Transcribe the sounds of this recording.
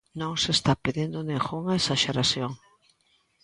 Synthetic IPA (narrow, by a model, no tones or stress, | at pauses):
nõŋsest̪apeðind̪oneŋxuŋaesaʃeɾasjoŋ